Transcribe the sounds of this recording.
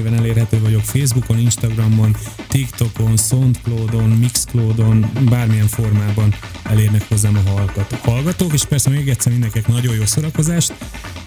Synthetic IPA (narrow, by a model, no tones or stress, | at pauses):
bɛnɛleːrɦɛt̪øːvɒɟo̞kfeːzbuko̞ninʃt̪ɒɡrɒmːont̪ikt̪o̞ko̞nsont̪kloːd̪o̞nmikskloːd̪o̞nbaːrmijɛɱfo̞rmaːbɒn | ɛleːrnɛkho̞zːaːmɒɦɒlɡt̪hɒlɡɒt̪oːkeːʃpɛrsɛmeːɡɛt̪sɛrmindɛŋkiɛknɒɟo̞joːso̞ɾɒko̞zaːʃt̪